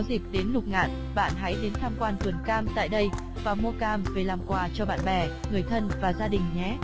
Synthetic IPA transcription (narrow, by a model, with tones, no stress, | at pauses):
wzi˨˩k̚ɗe˨˦nlʊ˨˩k͡p̚ŋa̰ː˧˨n | ɓa̰ː˧˨nɦa˨˦jɗe˨˦nt̪ʰaː˧mkwaː˧nt̪ɨ˨˩ənkaː˧mt̪a̰ː˧˨jɗə˧j | vaː˨˩mu˧əkaː˧mve˨˩laː˨˩mkwaː˧˩t͡ɕɔ˧ɓa̰ː˧˨nɓɛ˨˩ŋɨ˨˩əjt̪ʰə˧nvaː˨˩zaː˧ɗï˨˩ŋ̟ɲɛ˨˦